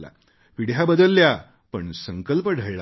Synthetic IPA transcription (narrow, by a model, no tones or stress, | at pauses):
la̰ | ʋiɽ̤jabəd̪əlːja | pəɳsəŋkəlpəɖʱəjɭa